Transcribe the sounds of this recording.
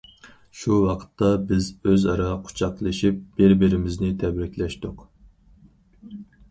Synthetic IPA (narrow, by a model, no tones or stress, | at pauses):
ʃuwɑqʰə̥t̪ʰːɑbɪzøzɑɾɑqʰʊ̥t͡ʃʰɑqlˠɨʃip̚b̥ɪɾbɪɾɪmɪznɪt̪ʰɛbɾɪkʲlɛʃt̪ʊq